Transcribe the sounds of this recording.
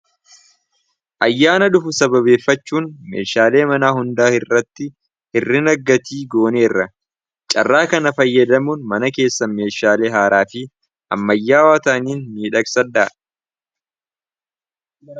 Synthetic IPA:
ʔɐjːaːnɐᶑʊfʊsɐbɐβe̞ːfːɐt͡ʃːuːnmḛːʃaːle̞ːmɐnaːhʊnd̪aːhɪrːɐt̪ːɪ | hɪrːɪnɐɡːɐt̪ʰiːɡo̞ːne̞ːrːɐ | t͡ʃʼɐ̰rːaːkɐnɐfɐjːɐd̪ɐmuːnmɐnɐke̞ːsːɐme̞ːʃaːleːɦaːɾaːfɪ | ʔɐ̰mːɐjːaːwaːt̪aːniːnmiːᶑɐksɐᶑaː

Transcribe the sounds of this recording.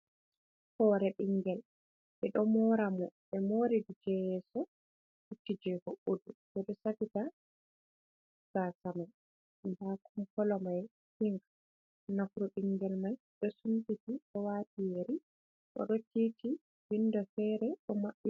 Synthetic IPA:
hɔɾɛɓiŋɡɛl | ɓɛɗɔmɔɾamɔɓɛmoɾidid͡ʒɛjɛsɔ | hutːid͡ʒɛhoʔuduɓɛɗɔsafita | sasamaj | nbakumkɔlɔmaj | hiŋɡḁ | nakɾɔɓiŋɡɛlmaj | ɗɔsuntitiɗɔwaːtijeɾi | ɗɔ̰ɗɔtiːti | windɔfɛɾɛɗɔmaɓi

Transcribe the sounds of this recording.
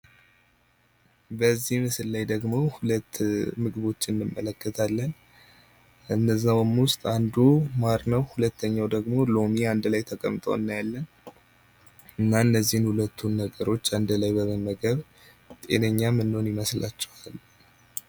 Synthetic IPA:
bəzːihmɨsɨllajd̪əɡmo̞hulət̪ʰːmɨɡɨβo̞t͡ʃːɪnːɨmːə̰ləkːət̪ʰalːən | ɨnːəzːawmwʊst̪ʼand̪umaɾnəwhulət̪ʰːəɲːawd̪əɡmo̞lo̞miand̪lajt̪ʰəkʼə̰mt̪ʼə̰wɨnːajalːən | ɨnːaɨnːəzːihɨnhulət̪ʰːunːəɡəɾo̞t͡ʃːand̪lajbəməməɡəβ | t̪ʼe̞̰nəɲːamɨnːho̞njɪməsla̰t͡ʃːɛhalːu

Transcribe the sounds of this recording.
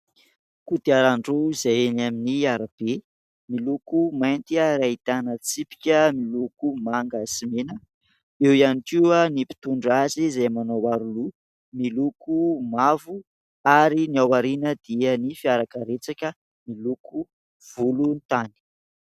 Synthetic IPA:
kud̪iaɾaɳɖ͡ʐuizajenaminiaɾab̥e | milukumajnt̪iəɾait̪anət͡sipi̥kʲəmilukumaŋɡəsimenə | ewianikiwənipi̥t̪uɳɖ͡ʐazizajmanowaɾulu | milukʰumavu | aɾiniawaɾinəd̪̥iənifiaɾakəɾet͡sakə | miluku | v̥ulunt̪ani̥

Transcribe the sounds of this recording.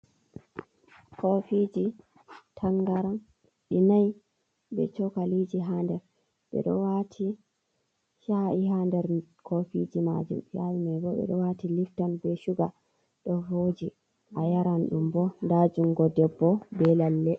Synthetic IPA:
kʰɔfid͡ʒi | tʰaŋɡaɾan | ɗinaj | bɛ̰t͡ʃɔkalid͡ʒiɦandɛɾ | ɓɛ̰ɗɔwatʰi | ʃaʔiɦandɛɾkʰofid͡ʒima̰d͡ʒṵmjajimajɡɔɓɛ̰ɗɔwatiliftanbɛʃuɡa | ɗɔvod͡ʒi | ʔʔajaɾanɗumbɔndad͡ʒuŋɡɔdɛbːɔbɛlalːɛ

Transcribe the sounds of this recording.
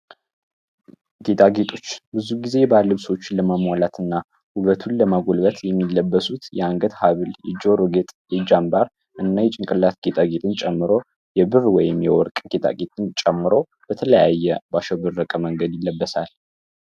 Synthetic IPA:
ɡe̞t̪ʰʼaɡe̞t̪ʰʼo̞t͡ʃːbɨzuɡize̞balːɨβsəwot͡ʃːləmamwalat̪ʰɨnːa | huβət̪ʰunləmaɡolbət̪jɛmːilːəbːəsut̪jɛaŋɡət̪haβɨljɛd͡ʒoɾoɡet̪ʼjɛd͡ʒambaɾ | ʔɨnːajɛt͡ʃʼɪŋkʼɨlːat̪̚ɡ̥et̪ʰʼaɡet̪ʼɨnt͡ʃʼɛmːɨɾo̞ | jɛbɨrwɔjɪmjɛwɔɾkʼɡ̥e̞t̪ʰʼa̰ɡet̪ʼɨnt͡ʃʼɛmːɨɾo̞ | b̥ət̪ʰələjajːɛbaʃəbɨrːəkʼəməŋɡəd̪jɪlːəbːəsal

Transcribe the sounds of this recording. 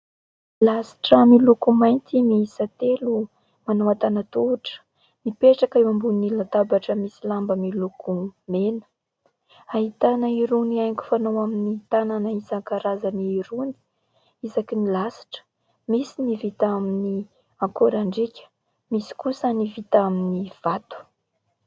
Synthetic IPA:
lasi̥ʈ͡ʂəmilukumajnt̪imiisat̪elu | manoat̪anat̪uʈ͡ʂə̥ | mipeʈ͡ʂakiwambunilat̪abaʈ͡ʂəmisilambəmilukʰumenə̥ | aɦit̪anəiɾuniajkʲu̥fanowaminit̪ananaizaŋkaɾazaniːɾuni̥ | izakinilasi̥ʈ͡ʂə̥ | misinivit̪amini | ãŋkoɾaɳɖ͡ʐikʲə̥ | misi̥kusənivit̪aminiv̥at̪u̥

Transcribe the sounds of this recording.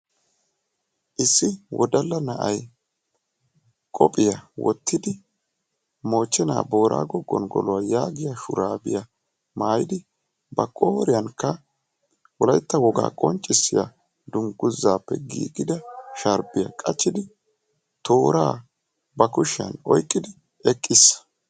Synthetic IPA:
ʔɪsːɪwʔɔd̪ɐlːɐnɐʔɐj | kʼɔpʼɪjɐwɔ̰t̪ʰːɪd̪ɪ | mo̞ːt͡ʃːɛna̰ːbo̞ːɾʔa̰ːɡɔɡːɔ̰nɡɔ̰lɔwajaːɡɪjaʃʊ̰ɾaːbɪ̰jɐ | maːjɪd̪ɪ | bɐkʼoːɾɪjɐnkːɐ | wɔlɐjt̪ːɐwɔɡa̰ːkʼɔnt͡ʃʼːɪsːɪja | d̪ʊŋɡʊzːaːpːɛ̰ɡḭːɡɪd̪ɐʃɐɾbɪjɐ̰kʼɐt͡ʃːɪd̪ɪ | t̪ʰo̞ːɾaː | bɐkʊʃɪɐ̰nɔ̰jkʼːɪd̪ɪ | ɛkʼːɪsː

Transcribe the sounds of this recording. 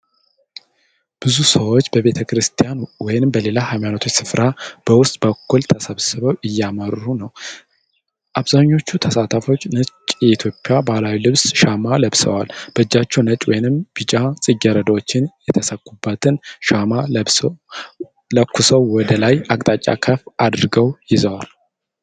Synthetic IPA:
b̥ɨzusəwo̞t͡ʃːbəβe̞t̪ʰəkɾɨst̪ʰijanwɔjɪnɨmbəle̞lahajmanət̪ʰo̞t͡ʃːsɨfɾab̥əwʊst̪ʼbəkːult̪ʰəsəβsɨβəwʔɨjːaməɾːunəw | ʔaβzaɲːo̞t͡ʃːut̪ʰəsat̪ʰəfo̞t͡ʃːnət͡ʃʼjɛit̪ʰjo̞pʼːɪjabalawilɨβsʃamaləβsə̰walb̥əɨd͡ʒːat͡ʃːɛwnət͡ʃʼwɔjɪnɨmb̥ɨt͡ʃʼasʼɨɡːɛɾəd̪əwot͡ʃːɪnjɛt̪ʰəsəkʼːubːət̪ʰɨnʃamalə | ləkʰːusəwwɔd̪əlajakʼt̪ʼat͡ʃʼːa̰kʰəfad̪ɨɾɡəwjɪzəwal

